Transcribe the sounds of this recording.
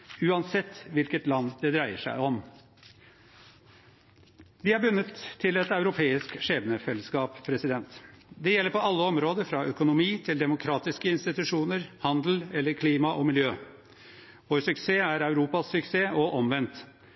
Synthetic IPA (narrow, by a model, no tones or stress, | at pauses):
ʉːɑnsɛt̪ːʋɪlkət̪lɑnd̪ɛd̪ɾæɪəʂæ̰ɪɔm | d̪ɪæbʉnːət̪ʰːɪlɛt̪ɑʉɾʊpʰeːɪskʂeːbənəfɛlːəskɑːppʰɾɛsɪd̪ɛnt̪d̪ɛjɛlːəɾpɔɑlːəɔmɾoːd̪əɾfɾɑʔœkʊnʊmiːt̪ʰɪld̪ɛmʊkʰɾɑːt̪ɪskəɪnst̪ɪt̪ʉʂuːnəɾhɑnd̪l̩ɛlːəɾkʰliːmɑʔɔmɪljøː | ʋoːɾsʉkseːæɾɑʉɾuːpɑsːʉkseːʔɔʔɔmʋɛnt̪